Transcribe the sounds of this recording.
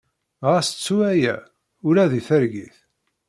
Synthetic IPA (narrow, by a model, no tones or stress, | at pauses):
ʁæst͡sːuæjæ̰ | ʊɾæðiθəɾɡiθ